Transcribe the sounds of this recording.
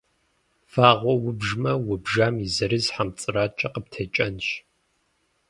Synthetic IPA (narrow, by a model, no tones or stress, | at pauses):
faːʁʷɔwʊbʒmɐwʊbʒaːmizɐɾɨzħamt͡sʼɨraːt͡ʃʼɐqəp̚tʰɐt͡ʃʼɐnʃ